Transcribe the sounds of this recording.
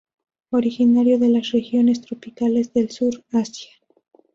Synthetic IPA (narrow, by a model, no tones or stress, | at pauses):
o̞ɾixinaɾjo̞ðe̞lasrexjo̞ne̞st̪ɾo̞pikale̞zðe̞lsuɾasja